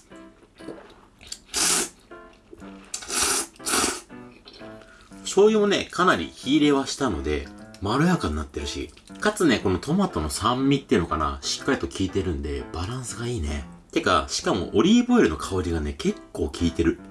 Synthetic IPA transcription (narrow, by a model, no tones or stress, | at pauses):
so̞ːjomne̞̰kʰanaɾʲḭçiːɾe̞ːβaɕi̥t̪ano̞̰d̪e̞̰maɾɯ̟jakãɲ̟iːat̪ːe̞ɾɯ̟ɕḭ | kat͡sɨne̞ko̞no̞t̪o̞mat̪ːo̞no̞sãmːʲit̪ːe̞iɯ̟no̞kana̰ɕi̥kːaɾʲit̪o̞kʲiːt̪e̞ɾɯ̟̃nd̪e̞b̥aɾãɰ̃sɨɡaiːne̞ | t̪e̞ka̰ɕi̥kamo̞̰ʔoɾʲiːbo̞iɾɯ̟no̞kʰaoɾʲiɡane̞ke̞kːo̞ːkʲʰiːt̪e̞ɾɯ̟